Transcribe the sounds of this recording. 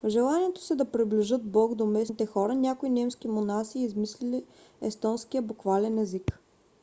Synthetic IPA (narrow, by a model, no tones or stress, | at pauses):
vʒɛlˠaniɛt̪o̥sɛd̪ɐpɾibliʒɤt̪̚bɔɡd̪omɛsnit̪ɛxɔɾɐnʲakʊinɛmsk̟imonasiːzmislili | ɛst̪ɔnskijəbʊkvalɛnɛzik